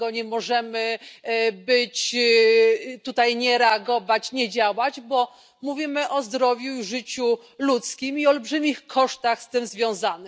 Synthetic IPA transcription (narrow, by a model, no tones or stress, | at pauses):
ɔɲɛmɔʐɛmɘ | bɘt͡ɕ | t̪ut̪ajɲɛɾɛaɡɔvat͡ɕɲɛd͡ʑawad͡ʑbɔ | muvʲimɘʔɔzd̪ɾɔvʲjuʐɘt͡ɕu | lut̪skʲimiɔlbʐɘmʲixkʰɔʂt̪axst̪ɘmzvʲjɔ̃w̃zanɘ